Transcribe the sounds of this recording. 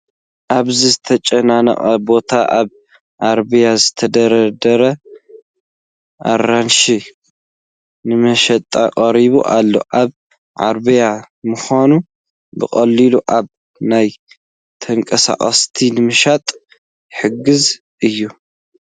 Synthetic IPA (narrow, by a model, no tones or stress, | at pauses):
ʔaβzizɨt̪ʰɐt͡ʃʼɐnanɐ̰ʔʼɐ̰bo̞t̪ʰaʔaβ | ʕaɾbijazɨt̪ʰɐd̪ɐɾɐd̪ɐɾɐ | ʔa̰ɾanʃi | nɨmɐʃɐt̪ʼaqʼɐɾiβṵʔalːo̞̰ʔaβ | ʕa̰ɾbɨja | mɨxanu | bɨxʼɐlːiluʔaβ | naj | t̪ʰɐŋkʼɐsa̰χʼɐst̪ʰinɨmɨʃat̪ʼ | ħɨɡɨz | ʔɨjːu